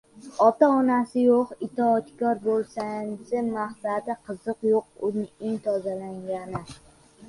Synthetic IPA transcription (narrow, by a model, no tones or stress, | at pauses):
ɒt̪aɒnasɪjoqɪt̪ʰɒːt̪kʰɒɾbolˠsansɪmahsad̪ɪqʰɨzɨqjoq̚ʊnɪɪŋt̪ʰɒzalaŋɡʲanɪ